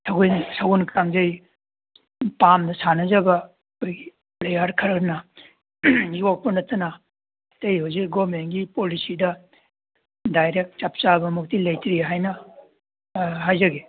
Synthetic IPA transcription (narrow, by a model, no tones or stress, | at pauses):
sʰɐɡujnsɐɡunkɾaŋzɐj | pamdɐsanɐzɐbɐː | kʰojɡi̥ | plejɐɾkʰɐɾɐɾnɐ | jok̚pɐnɐtʰːɐnɐ | tejhowzik̚ɡobmenɡipolisidɐ | dajɾek̚t̚t͡ʃap̚t͡ʃabɐmuk̚tilɐjtɾiɦajnɐ | ɦajzɐɡe